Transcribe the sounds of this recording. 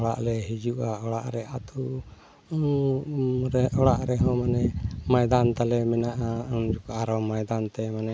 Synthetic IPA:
ɔɽa̰ʔlɛɦid͡ʒuʔaɔɽaʔɾɛʔat̪u | ɾɛʔɔɽaʔɾɛɦɔ̃manɛmajd̪ant̪alɛmɛnaʔand͡ʒɔkaaɾɔmajd̪ant̪ɛmanɛ

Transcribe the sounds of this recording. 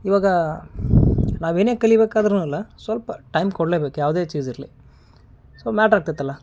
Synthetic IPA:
ɪʋaːɡɐ | nãːʋeneːkɛlɪʋeːkːaːðɐɾnʊ̃ɪlːɐsɔlpːɐʈɐɪmkɔɽleːpeːkːjaːʋɐðeːt͡ʃiːsɪɾli | soːmɛːʈɾaːk̚t̪ɛt̪ːɐlãː

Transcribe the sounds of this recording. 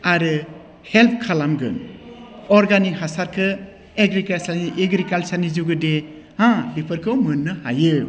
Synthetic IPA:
aɾɯ | help̚ʰkʰalamɡɯ̰n | ɔɾɡanihasaɾkʰɯ | eɡɾikalsaɾniʔeɡɾikalsaɾnid͡ʒuɡɯde | hãbipʰɯɾkʰɯwmɯnːɯha̰jɯ

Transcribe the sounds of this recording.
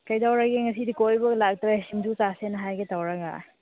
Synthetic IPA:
kajdawɾaɡeŋɐsidikojbɐɡlak̚tɾeimdusasenɐɦajɡetawɾaɡa̰

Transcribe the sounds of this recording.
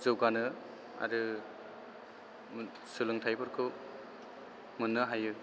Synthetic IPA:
zɯwɡanɯ | a̰ɾɯ | sɯlɯŋtʰajbɯɾkʰɯ | munːɯɦajɯ

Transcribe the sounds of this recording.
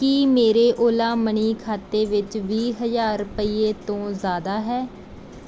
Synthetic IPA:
kiːmeːɾeːʔoːlaːməɳiːkʰaːt̪eːʋɪt͡ʃʋiːɦəzaːɾpəiːeːt̪õːzaːd̪aːɦɛː

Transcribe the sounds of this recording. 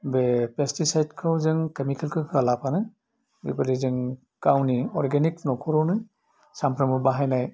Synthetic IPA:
bepestisajd̚kʰɯwzɯŋkemikʰelkʰɯkʰɯalapʰanɯj | bḭbalizɯŋ | kawniɔɾɡeniknɔkʰɔɾɔnɯj | sampʰɾamɔbaɦajnaj

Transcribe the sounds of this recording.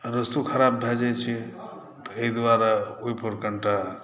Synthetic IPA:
ɾəst̪ukʰəɾabbʱɛd͡ʒɛt͡ʃʰi | t̪ɔeɦid̪waɾauipʰəɾkəɳʈa

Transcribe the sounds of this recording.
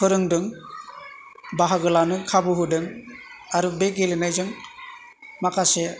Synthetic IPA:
pʰɯɾɯŋdɯŋ | baɦaɡɯlanɯkʰabɯɦudɯŋ | aɾubeɡelinajzɯŋ | makʰase

